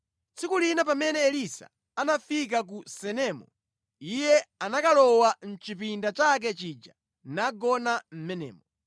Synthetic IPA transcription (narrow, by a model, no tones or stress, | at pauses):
t͡sikulinapamɛnɛːlisa̰ | anafik̬ak̬usɛnɛmɔ̰ | ijɛanakalɔwan̩t͡ʃipindat͡ʃak̬ɛt͡ʃid͡ʒa | naɡɔnam̩mɛnɛ̰ːmɔ